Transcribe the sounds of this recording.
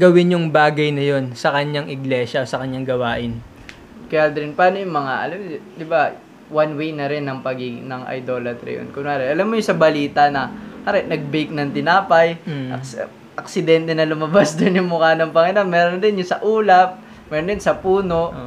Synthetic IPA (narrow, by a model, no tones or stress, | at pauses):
ɡɐwɪnjʊŋbaːɡɐjnɐjo̞nsɐkɐɲaŋʔɪɡlɛʃɐosɐkɐɲːaŋɡɐwaːʔɪn | kɐjad̪ɐɾɪnpaːnojʊŋmɐŋaʔɐ̰lamd̪ɪbɐ | wanwejnɐɾɪnːɐŋpɐɡiɡnɐŋʔɐ̰jd̪o̞ːlɐt̪ɾɪ̰jo̰nkʊnaːɾɛʔɐlamːojʊsɐbɐliːt̪ɐnɐhaɾɛʔnɐɡ̚bejk̚nɐŋt̪ɪnaːpɐjɐ | ʔɐksɪd̪ɛnt̪ɛnɐlʊmɐbasd̪ʊnjʊŋmʊkaːnɐŋpɐŋɐnaŋmɛːɾond̪ɪnjʊsɐʔuːlɐp̚ | mɛːɾond̪ɪnsɐpuːno̞ʔ